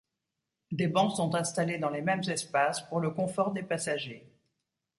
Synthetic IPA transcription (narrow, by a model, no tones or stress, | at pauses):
d̪ebɑ̃sɔ̃t̪ɛ̃st̪aled̪ɑ̃lemɛmzɛspaspuʁləkɔ̃fɔʁd̪epasaʒe